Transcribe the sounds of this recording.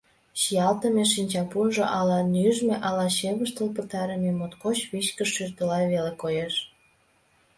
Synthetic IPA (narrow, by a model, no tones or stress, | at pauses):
ɕijɑlt̪ə̆meʃinʲt͡ɕɑpunʒoʔɑlɑnyʒmeʔɑlɑɕeβəʃt̪əlpət̪ɑɾəmemot̪kot͡ɕβit͡ɕkə̆ʃːyrt̪əlɑβelekojeʃ